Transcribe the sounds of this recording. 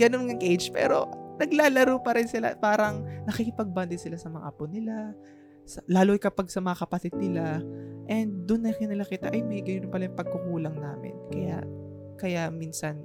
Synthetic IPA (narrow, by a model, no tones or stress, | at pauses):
ɡɐnonŋɐŋʔejd͡ʒpɛ̰ːɾo̞̰nɐɡlaːlɐɾuːpɐɾɪnsɪla̰paːɾɐŋnɐkikɪpɐɡ̚bant̪ɪd̪̚sɪlasɐmɐŋɐ̰ʔɐponɪla | sɐlaːlohjkɐpaɡsɐmɐŋɐkɐpɐt̪ɪd̪̚nɪlaʔɛnd̪̚ːʊnːɐkɪnɐlakit̪ɐʔɐjmɐiɡɐj̪ʊʊnpɐlajʊpɐɡ̚kʊkuːlɐŋnaːmɪ̰nkɐja̰ʔ | kɐjaminsɐn